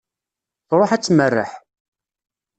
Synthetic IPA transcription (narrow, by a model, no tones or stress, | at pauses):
θɾˤoħæt͡sːmərːə̰ħ